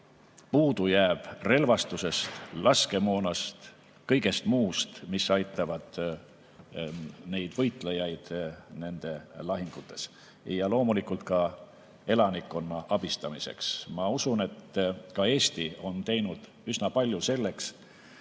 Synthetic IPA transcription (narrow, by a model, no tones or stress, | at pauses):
puːd̪ujæːb̥re̞lvɑst̪use̞st̪lʔɑske̞moːnɑst̪ | kɤ̞jɡe̞st̪muːst̪misɑjt̪ːˑɑvɑd̪̥ | ne̞jd̪̥vɤ̞jt̪ˑlejɑjd̪̥ne̞nd̪̥e̞lɑɦiŋɡ̥ut̪ːˑe̞s | jɑlo̞ːmulikːˑult̪̚kɑ | e̞lɑnikːˑo̞nːɑʔɑb̥ist̪ɑmise̞̰ksmɑusune̞t̪kɑe̞ːst̪io̞nt̪e̞jnud̪̥ | ysnɑpɑlʲjuse̞lːe̞ks